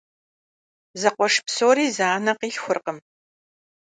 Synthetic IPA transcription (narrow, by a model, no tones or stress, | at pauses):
zɐqʷɔʂpsoːɾiːzaːnɐqiːɬxʷʊrqəm